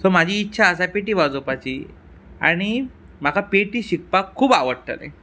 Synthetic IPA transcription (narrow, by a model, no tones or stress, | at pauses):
som̤ad͡ʑʱiːtːɕʰaəsapeʈ̬iːʋad͡zopat͡ɕiː | a̰ɽ̃i | m̤akapeʈiːɕik̚pakʰːuːbaʋəɽʈ̪ə̰lḛ̃